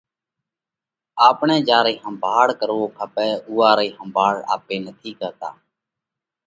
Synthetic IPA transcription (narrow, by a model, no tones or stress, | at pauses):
aːpɳɛ̃ːd͡ʒaːɾiːhəmbʱaːɽkəɾoːkʰəpɛːʔʊːaːɾəiːɦəmbʱaːɽa̰ːpeːnət̪ʰiːkəɾt̪a̰ː